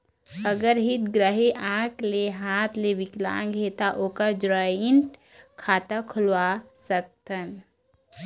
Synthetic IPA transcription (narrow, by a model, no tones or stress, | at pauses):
əɡəɾɦit̪ɡɾəɦeʔãːkleɦaːt̪ʰleʋɪklã̰ːŋɡʱet̪aʔoːkad͡ʒɾaɪnʈkʰaːt̪akʰʊlwasək̚t̪ən